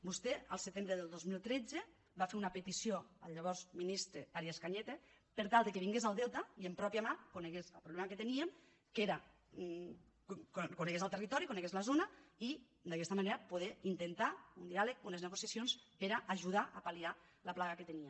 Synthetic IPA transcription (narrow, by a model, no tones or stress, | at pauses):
bust̪eə̰lˠset̪embɾeðelˠd̪ozmilˠt̪ɾed͡ze | bafeɾunapet̪isjoəʎeβ̞ɔɾzminist̪ɾeaɾjeskaɲet̪e | peɾt̪alˠd̪ekeβiŋɡezalˠd̪ɛlˠt̪aiempɾɔpiamakoneɣezəlˠpɾuβlɛmaket̪eniem | keɾa | kkoneɣezalˠt̪erit̪ɔɾikoneɣezlazonai | d̪akɛst̪amaneɾapuð̞eint̪ent̪aund̪ialek̚unezneɣusjasjonspeɾaʔːʒuðaʔapalialəplaɣaket̪enie